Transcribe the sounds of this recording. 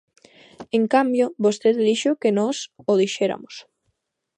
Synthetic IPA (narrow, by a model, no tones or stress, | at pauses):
eŋkambjobost̪eðliʃokenɔsoðiʃeɾa̰mos